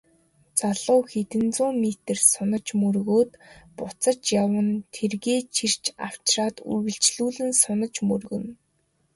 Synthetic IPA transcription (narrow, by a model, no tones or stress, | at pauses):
t͡saɮʊːxet̪ɘ̆nt͡sʊːmet̪ɘ̆rsʊnə̆t͡ɕmɵrɣoːt̪pʊt͡sə̆t͡ɕjawə̆nt̪ʰerɣeːt͡ɕʰir̥t͡ɕʰaw̥t͡ɕraːt̪ṵrɣɘ̆ɬt͡ɕɮuːɮɘ̆nsʊnə̆t͡ɕmɵrɣɵ̆n